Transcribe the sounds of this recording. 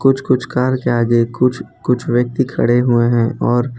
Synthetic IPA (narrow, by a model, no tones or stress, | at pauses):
kʊt͡ʃʰkʊt͡ʃʰkaːɾkeaːɡekʊt͡ʃʰ | kʊt͡ʃʰʋjək̚t̪ikʰɐ̰ɽeɦueɦɛ̃ɔːɾ